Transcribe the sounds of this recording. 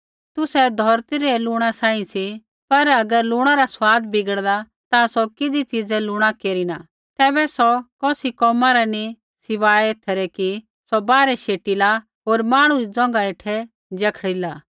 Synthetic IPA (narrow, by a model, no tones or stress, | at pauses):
t̪ʊsɛd̪ʱɔːɾt̪iɾɛlʊːɽ̃asãːĩsi | pɐɾɐɡəɾlʊːɽ̃aɾasʊwaːd̪bɪɡəɽla | t̪ãsɔkɪd͡zit͡ʃiːd͡zɛlʊɽ̃akeːɾina | t̪ɛːbɛsɔkɔːsikɔːmaɾɛni | sɪʋaːɛet̪ʰəɾɛki | sɔbaːɾɛʃeːʈila | ɦoːɾmaːɽ̃ũɾid͡zɔ̃ŋ̆ɡaeːʈʰɛ | d͡ʒɐkʰɽilaː